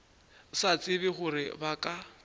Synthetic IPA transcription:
sat͡sʼɪbɪχʊɾɪ̰bakʼa

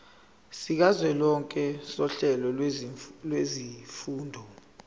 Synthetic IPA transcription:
sik̬azwɛlɔŋkʼɛsɔɬɛlɔ | lwezifuːndʱɔ

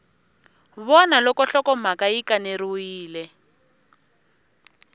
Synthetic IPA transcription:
βɔnalɔkɔɬɔkɔm̤akaikaneɾuwiːlɛ

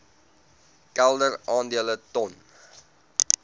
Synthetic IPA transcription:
kælˠdərɑːndiələtɔn

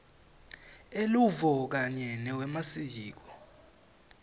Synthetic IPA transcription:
eluvɔk̬aɲɛnɛwɛmasijiːk̬ɔ̥

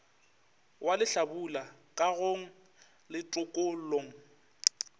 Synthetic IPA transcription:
wʔalɪɬabula | kʼaɣoŋ̩ | lɪtʼʊkʼol̩loŋ̩

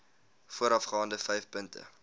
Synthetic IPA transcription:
fuəɾɐfχɑːndəfɛjfpəntə̰

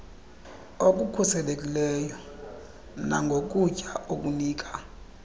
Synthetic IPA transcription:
ok̬ʼukʰusɛlekʼilɛjɔ | naŋɡʱok̬ʼucʼaʔokʼuniːkʼa

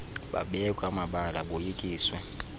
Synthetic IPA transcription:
ɓa̰ɓɛkʼamaɓalaɓojikʼiːswɛ

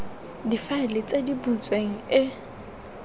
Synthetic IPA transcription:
difaɪlɪt͡sʼedibut͡sʼweŋ̩ɪ

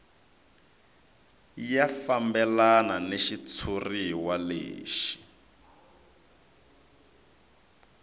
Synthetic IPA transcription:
jafambɛlananeʃit͡sʰuriwalḛːʃi̥

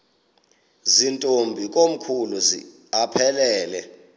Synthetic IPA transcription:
zintʼombʱik̬ʼom̩kʰuluzḭ | apʰɛlɛːlɛ

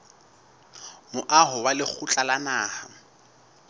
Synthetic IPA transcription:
mʊʔaɦʊwalɪk͡xʰut͡ɬʼalanaːha

